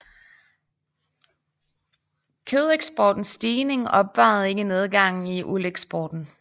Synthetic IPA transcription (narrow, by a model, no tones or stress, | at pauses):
kʰøð̰ˠeɡ̥sb̥ɒːd̥n̩sːd̥iːne̝ŋɒ̽b̥ʋɑ̈ːð̞̩ˠe̝ɡ̥əne̝ð̞ˠɡ̥ɑ̈ŋ̰n̩iʔuleɡ̥sb̥ɒːd̥n̩